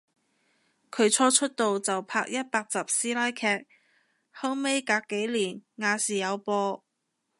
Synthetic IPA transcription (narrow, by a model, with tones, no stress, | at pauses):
kʰɵ˨˧ɥt͡ʃʰɔː˧t͡ʃʰɵ˥t̚t̪o˨wt͡sɐ˨wpʰaː˧k̚jɐ˥t̚paː˧k̚t͡sɐ˨p̚siː˥laː˥jkʰɛː˧k̚ | hɔ˥ŋme˥jkaː˧kːe˨˥jliː˨˩nŋaː˧siː˨˩jɐ˨˧wpɔː˧